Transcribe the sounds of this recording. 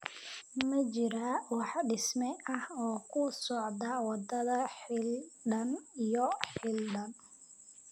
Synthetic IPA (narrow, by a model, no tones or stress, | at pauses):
mɐt͡ʃɪɾawɑħɖɪsmɛʔɐhɔːkʰʊsɔʕd̪ɐwɑd̪ɐðɐħɪlɖɐnijɔħɪlɖɐn